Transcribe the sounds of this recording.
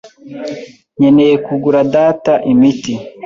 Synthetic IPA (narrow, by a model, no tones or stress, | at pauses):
ɲe̞ne̞je̞kuɡuɾadaːtaʔimiti